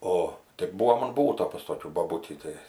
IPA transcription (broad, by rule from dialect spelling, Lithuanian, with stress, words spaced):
ˈoː tʲɪk ˈbuːʋoːm ɐn ˈbuːtoː pɐs toːˈkʲuː boːˈbʊtʲiː ˈtɐɪ